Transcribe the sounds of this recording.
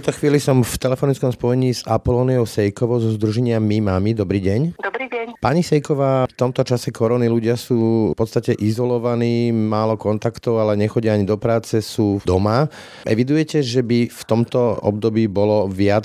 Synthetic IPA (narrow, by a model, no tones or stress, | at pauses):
ɛt̪ɔxʋiːlisɔmft̪ɛlɛfɔnit͡skɔmspɔjɛɲiːzapɔlɔːniɔʊsɛjkɔʋɔʊzɔzd̪ɾuʒɛɲɪamimamid̪ɔbɾiːɟɛɲd̪ipaɲisɛjkɔʋaːft̪ɔmt̪ɔt͡ʃasɛkɔɾɔniluɟɪasuːpɔt̪st̪acɛʔizɔlɔʋaniːmaːlɔkɔnt̪akt̪ɔʊalɛɲɛxɔɟɪaaɲid̪ɔpɾaːt͡sɛsuːd̪ɔma | ʔɛ̰ʋid̪ujɛcɛʒɛbift̪ɔmt̪ɔɔ̰b̚d̪ɔbiːbɔlɔʋɪa